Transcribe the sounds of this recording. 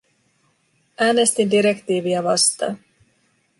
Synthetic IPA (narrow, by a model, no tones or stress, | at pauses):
ʔæːne̞st̪indiɾe̞kt̪iːʋiɑʋɑst̪ɑ̰